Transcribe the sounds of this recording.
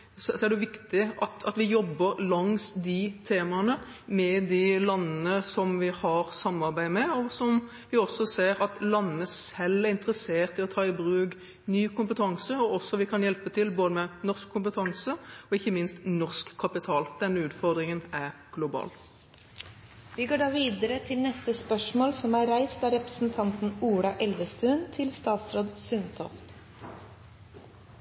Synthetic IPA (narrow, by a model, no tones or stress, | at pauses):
sɔsɔæɖɛʊʋɪkt̪ɪɑt̪ɑt̪ʋɪjɔbːəɾlɑŋsd̪ɪt̪ʰeːmɑnə | mɛd̪ɪlɑnːənəsɔmʋɪhɑɾsɑmːɑɾbæɪmɛɔsɔm | ʋɪɔsːɔseːɾɑt̪lɑnːəsɛlːæɾɪnt̪əɾəseːʁt̪ɪɔt̪ʰɑːɪbɾʉːɡ | nyːkʊmpət̪ʰɑŋsəɔɔsːɔʋɪkʰɑnjɛlpət̪ʰɪlboːd̪əmɛnɔʁskʰːʊmpət̪ʰɑŋsəɔɪçːəmɪnst̪nɔʁskʰːɑpɪt̪ʰɑːld̪̥ɛnːəʉːt̪fɔʁd̪ʁɪŋənæʁ | ɡ̥lʊbɑ̰ːl | ʋɪɡoːɖɑːʋiːd̪əɾət̪ʰɪlnɛst̪əspœʂmoːlsɔmæɾæɪst̪ɑɾɛpɾəsn̩t̪ʰɑnt̪n̩uːɽɑʔɛlʋəst̪ʉːnt̪ʰɪlst̪ɑːt̪sɾoːd̪sʉnt̪ʰɔ̰ft̪